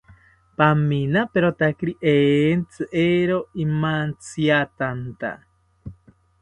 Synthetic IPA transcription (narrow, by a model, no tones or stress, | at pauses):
paminapeɾot̪akiɾiʔeːnt͡sɨʔeɾoimant͡siat̪ant̪a̰